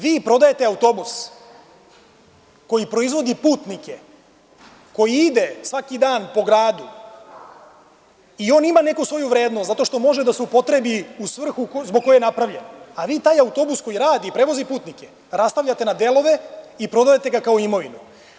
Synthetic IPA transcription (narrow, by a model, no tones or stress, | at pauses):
ʋiːpɾo̞d̪ajet̪eaut̪o̞bus | ko̞jipɾo̞izʋo̞d̪ipuːt̪nike | ko̞jiid̪e̞sʋakid̪aːnpo̞ɡɾaːd̪u | io̞ːnimane̞kusʋo̞juʋɾe̞ːd̪nost̪zat̪o̞ʃt̪o̞mo̞ʒed̪aseupo̞t̪ɾebiusʋr̩xuzboɡ̚ko̞jejenapɾaʋʎe̞naʋiːt̪aːjaut̪o̞busko̞jiɾaːd̪iːpɾe̞ʋo̞zipuːt̪nike̞ | ɾast̪aʋʎʲat̪e̞nad̪e̞lˠo̞ʋe̞ipɾo̞d̪ajet̪e̞ɡakao̞imo̞ʋinu